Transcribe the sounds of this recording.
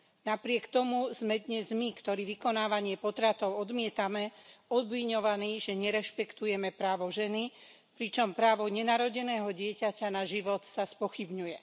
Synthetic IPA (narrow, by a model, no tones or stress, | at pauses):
napɾɪɛkt̪ɔmuz̥mɛd̪ɲɛzmikt̪ɔɾiːʋikɔnaːʋaɲɪɛpɔt̪ɾat̪ɔʊɔd̪mɪɛt̪amɛɔd̪ʋiɲɔʋaniʒɛɲɛɾɛʃpɛkt̪ujɛmɛpɾaːʋɔʒɛni | pɾit͡ʃɔmpɾaːʋɔɲɛnaɾɔɟɛnɛːɦɔɟɪɛcacanaʒiʋɔt̪saspɔxibɲujɛ